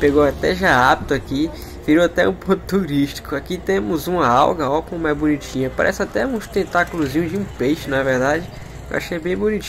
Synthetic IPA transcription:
peɡowat̪ɛʒaabit̪ʊaki | viɾowat̪ɛũpod̪t̪uɾiʃt͡ʃi̥kʊakit̪ẽmʊzũmɐawɡɐɔwkõmɛzbũnit͡ʃĩɲɐpaɾʔɛ̰sɪat̪ɛũst̪ẽt̪akulʊzĩɲʊd͡ʒɪũpejʃɪnɐveɾd̪ad͡ʒɪ | kewʔa̰ʃejbẽj̃bunit͡ʃ

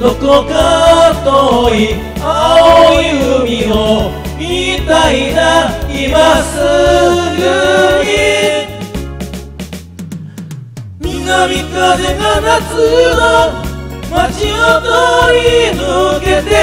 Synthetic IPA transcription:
ok̪okat̪oi | aooiɯmʲio | mʲit̪ainaimasɨɡɯɲi | mʲinːamʲikad̪enanat͡sɨo | mat͡ɕiot̪oɾinɯɡet̪e

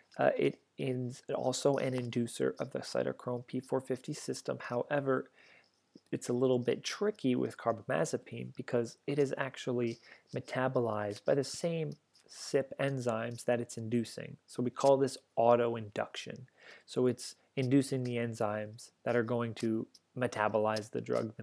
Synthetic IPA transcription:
ɪ̰ɾ | ɪ̃zɔ̰lˠsoʊʔɨ̃nɨ̃ndʉsə̰˞ʔʌ̰vðɨ̰sa̰ɪɾə̰kʰɹ̥õʊ̃npʰifɔɹfɪftisɪstə̰̃mhaʊʔɛvə˞ | ɨtsəlɪɾl̩ˠbɪ̰tʰɹ̥ɪkʰiwɪ̰ð̥kʰɑɹbəmæ̰zɨpʰḭ̃nbɨkʰʌzɨɾɨzæ̰k̚t͡ʃul̩ˠimɨtʰæbəlaɪzbaɪðɨsẽɪ̃m | sɪpɛ̃nzãɪ̃mzðɨɾɨtsɨ̃ndʉsɪ̰̃ŋsoʊwikʰɔlˠðɪsɑɾoʊɨ̃ndʌ̰kʃɨ̰̃nsoʊɨts | ɨ̃ndʉsɪ̃ŋðiɛ̃nzãɪ̃mz̥ðɨɾə˞ɡoʊɪ̃ŋtʰɨmɨtʰæbəlaɪzðɨ̰dɹʌ̰ɡ̚ɨ̃

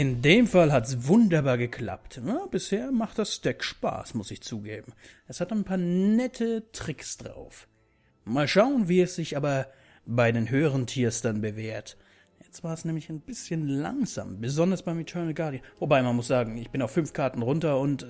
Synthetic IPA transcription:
ʔɪndeːmfalɦatsv̥ʊndɐbaːɐɡəkʰl̥a̰p̚tnab̥ɪsheːɐmaχtd̥asʃtɛkʃpa̰ːsmʊsɪçt͡suːɡḛːbm̩ | ʔɛshataɪnpʰaːɐnɛtʰətʁ̥ɪksd̥ʁa̰ʊf | maːlʃaʊənviːɛsz̥ɪçʔaːbɐ | baɪdeːnɦøːəʁəntʰiːɐsd̥anbəveːɐt | jɛt͡stv̥aːɐɛsnɛːmlɪçaɪnbɪsçənla̰ŋza̰ːmbəzɔndɐsb̥aɪmɪtʰœɐnəl̩ɡaɐdjənvobaɪmanmʊsz̥aːɡŋ̩ɪçb̥ɪnaʊfːʏnfkʰaɐtn̩ʁʊntɐʊnt

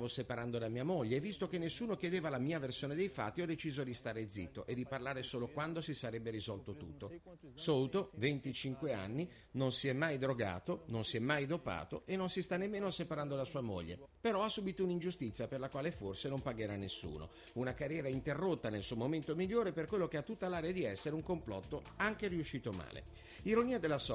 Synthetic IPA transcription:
avosepaɾand̪od̪amiːamoʎːevːist̪okenːesːuːnokjed̪eːvalamiːaversjoːned̪ejfa̰t̪ːiɔd̪ːet͡ʃiːzod̪ist̪aːɾed̪zːḭt̪ːoʔed̪ːiparlaːɾesoːlokwand̪osisaɾɛbːeɾizɔlt̪ot̪ṵt̪ːo | sowt̪ovent̪it͡ʃiŋkwea̰nːi | nonsiɛmːajd̪ɾoɡa̰ːt̪ononsiɛmːajd̪opa̰ːt̪o̰enːonsist̪anːemːeːnosepaɾand̪olasuːamo̰ʎːḛpeɾɔasːuːbit̪ounind͡ʒust̪it̪sːjaperlakwaːleforsenompaɡeɾanːesːṵːno̰ | unakarjɛːɾaint̪erːot̪ːanelsuːmoment̪omiʎːoːɾeperkwelːok̟eat̪ːut̪ːalaːɾead̪iɛsːeɾeuŋkomplɔt̪ːo | aŋk̟eriuʃːiːt̪oma̰ːlḛ | iɾoniːad̪elːasɔ

